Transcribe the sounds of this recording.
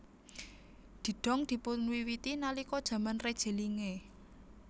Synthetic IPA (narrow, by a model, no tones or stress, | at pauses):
d̪̥i̤ɖ̥ɔ̤ŋd̪̥i̤punwiwit̪inalikɔd̥ʒ̥ä̤manred̥ʒ̥e̤liŋe